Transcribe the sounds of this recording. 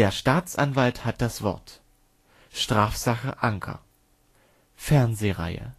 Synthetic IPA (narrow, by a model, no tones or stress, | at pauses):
eːɐʃtaːt͡sʔa̰nvalthat̚d̥asv̥ɔ̰ɐt | ʃtʁ̥aːfz̥aχəʔaŋkʰɐ̰ | fɛɐnzeːʁa̰ɪə̰